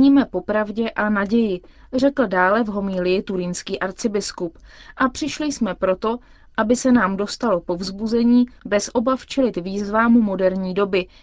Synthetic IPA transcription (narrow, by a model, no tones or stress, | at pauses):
ɲiːmɛpo̞pɾavɟɛʔanaɟɛjɪr̝ɛkl̩daːlɛvɦo̞miːlɪjɪt̪uɾɪnskiːʔaɾt͡sɪbɪskupʔapr̥ɪʃlɪjsmɛpɾo̞t̪o̞ | ʔabɪsɛnaːmdo̞st̪alo̞po̞vzbuzɛɲiːbɛsʔo̞baft͡ʃɛlɪt̪viːzvaːmumo̞dɛɾɲiːdobɪ